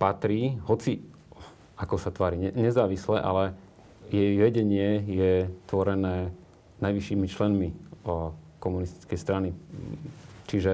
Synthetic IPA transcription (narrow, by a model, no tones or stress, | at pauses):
pat̪ɾiːɦɔt͡si | akɔsat̪ʋaːɾiɛɲɛzaːʋislɛʔa̰lɛ | jɛjʋɛɟɛɲɪɛjɛt̪ʋɔɾɛnɛː | najʋiʃiːmit͡ʃlɛnmi | kɔmunist̪i̥t͡skɛjst̪ɾani | t͡ʃiʒɛ